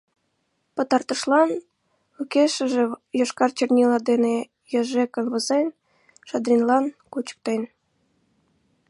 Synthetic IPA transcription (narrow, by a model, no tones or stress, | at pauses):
pə̆t̪ɑrt̪ə̆ʃlɑn | ukeʃə̆ʒĕjoʃkɑrt͡ɕərnʲilɑd̪ene | jəʒekə̆nβəzen | ʃɑd̪rʲinlɑnkut͡ɕə̥k̚t̪en